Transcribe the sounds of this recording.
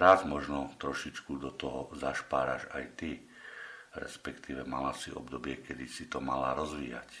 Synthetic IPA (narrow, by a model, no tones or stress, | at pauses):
ɾazmɔʒnɔt̪ɾɔʃit͡ʃkud̪ɔt̪ɔɦɔzaʃpaːɾa̰ʒajt̪i | ɾɛ̰spɛkt̪iːʋɛmalasiʔɔ̰bd̪ɔbɪɛkɛd̪isit̪ɔmala̰ɾɔzʋiːja̰c